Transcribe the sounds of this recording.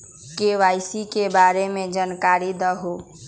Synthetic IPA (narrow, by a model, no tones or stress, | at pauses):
keʋajsikebaɾemed͡ʒankaɾid̪əɦo